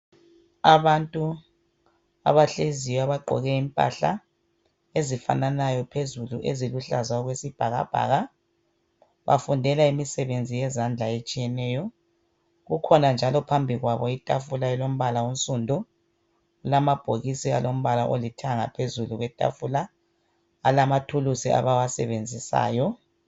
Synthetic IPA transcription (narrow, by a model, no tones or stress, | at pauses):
aβantʼu | a̰βaɬezijaβaɡ͡ǃʱɔ̰ɣɛimpʼa̰ɬa̰ | ezifa̰nanajɔpʰezuluʔeziluɬazaɔɣwesib̥ʱaɣa̰b̥ʱa̰ːɣa | βa̰fundʱɛlaimisɛβend͡zʱijɛzand͡ɮʱaet͡ʃʼijɛnɛːjɔ | ɣukʰɔnand͡ʒʱalɔpʰambʱiɣwaβɔitʼafulaɛlom̩βalaunt͡sʼundʱu | ulamab̥ʱoɣisia̰lom̩βalaʔolitʰaŋapʰezuluɣwɛtʼa̰fula | a̰lamatʰulusia̰βawasɛβend͡zʱisa̰ːjɔ